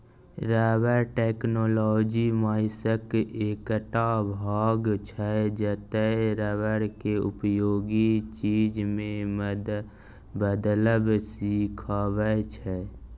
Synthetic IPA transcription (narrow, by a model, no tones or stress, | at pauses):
ɾɛʋəɾʈeːknoːlɔd͡ʒimaːɪsəkekʈabʱaːɡt͡ʃʰɛd͡ʒət̪əɾɛːʋəɾkeʊ̰pjoːɡit͡ʃiːd͡ʒmẽ | bəd̪ləbsikʰabət͡ʃʰɛ